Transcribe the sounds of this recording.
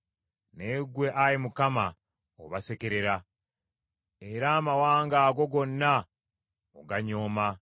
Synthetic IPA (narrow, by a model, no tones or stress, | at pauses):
neɡwe̞ʔajemukama | o̰βase̞ke̞ɾe̞ɾa | eɾaːmawaːŋɡaːɡo̞ɡo̞nːa | oɡaɲo̞ːma